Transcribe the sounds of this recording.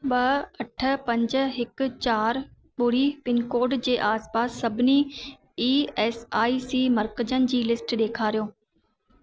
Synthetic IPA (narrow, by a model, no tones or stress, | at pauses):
ɓɐɐʈʰə̆pɐ̃ɲd͡ʑə̆ɦɪk̆t͡ɕaːɾ | ɓʊɽ̤ipɪnkoːɾɖd͡ʑeːʔaːspaːsːɐbʱɪni | iːeːsaːisiːmɐɾkəd͡ʑənɪ̆d͡ʑiːlɪsʈɗeːkʰaːɾijoː